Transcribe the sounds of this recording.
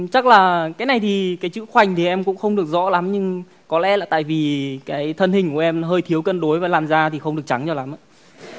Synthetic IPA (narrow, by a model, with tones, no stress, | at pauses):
t͡ɕa˦˥k̚laː˨˩kaː˨˦jna˨˩jt̪ʰi˨˩kaː˨˦jt͡ɕɨ̰˧˥xwa˨˩jŋ̟t̪ʰi˨˩ʔɛ˧mkʊ̰˧˥ŋ͡mxə˧wŋ͡mɗɨ˨˩ək̚zɔ̰˧˥la˨˦mɲɨ˧ŋ | kɔ˨˦lɛ̰˧˥laː˨˩t̪a̰ː˧˨jvi˨˩kaː˨˦jt̪ʰə˧nhï˨˩ŋ̟ku˧˩ʔɛ˧mɦəː˧jt̪ʰi˨˦əwkə˧˨nɗo˨˦jvaː˨˩laː˨˩mzaː˧t̪ʰi˨˩xə˧wŋ͡mɗɨ˨˩ək̚t͡ɕa˨˦ŋt͡ɕɔ˧˩la˨˦mʔaː˧˦